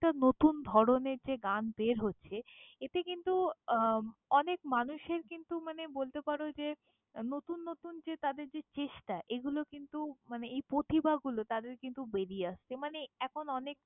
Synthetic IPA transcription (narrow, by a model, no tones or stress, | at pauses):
k̚ʈanot̪und̪ʱɔɽoneɾd͡ʑeɡanbeɾɦotːɕʰeet̪ekint̪u | ɔnekmanuʃeɾkint̪umanebolt̪epaɾod͡ʑe | not̪unːot̪und͡ʑet̪ad̪eɾd͡ʑet͡ɕeʃʈaʔeɡulokint̪umaneejpɾot̪ibaɡulot̪ad̪eɾkint̪ubeɾiast͡ɕʰemaneɛkʰonɔnek̚